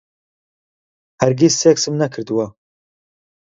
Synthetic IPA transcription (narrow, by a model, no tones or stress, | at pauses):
hɐɾɡisːeːksɨmnɐkʰɨɾd̪wɐ